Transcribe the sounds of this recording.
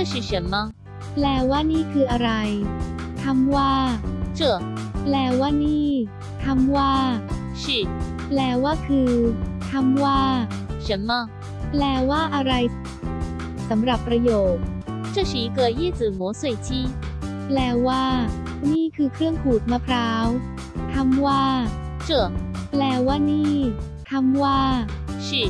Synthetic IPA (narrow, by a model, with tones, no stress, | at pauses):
t͡ɕɕi˨˩ɕa˨˦˥nma˧˥˩ | plɛː˧˩waː˥˩niː˥˩kʰɯː˧ʔa˧ɾa˧jt̪ʰa˧˥mwaː˥˩t͡ɕɯ˧˩ə | plɛː˧˩waː˥˩niː˥˩ | t̪ʰa˧˥˩mwaː˥˩ | ɕi˧˩ | plɛː˧˩waː˥˩kʰɯː˧t̪ʰa˧˥˩mwaː˥˩ɕa˦˥nma˧˥˩ | plɛː˧˩waː˥˩ʔa˧ɾa˧j | sa˩˦mɾa˨˩pːɾa˧joː˨˩t̪̚t͡ɕɤ˥˧˩ɕiː˨˦kɤː˨˩t̪̚jiː˥˩t͡sɯː˨˩mo˩˦sɤ˨˩jt͡ɕʰiː˥˩ | plɛː˧˩waː˥˩ | niː˥˩kʰɯː˧kʰɾɯ˥˩əŋpʰuː˨˩t̪̚ma˧˩pʰɾaː˦˥w | t̪ʰa˧˥mwaː˥˩ | t͡ɕɯ˧˩əplɛː˧˩waː˥˩niː˥˩ | t̪ʰa˧˥mwaː˥˩ɕi˥˩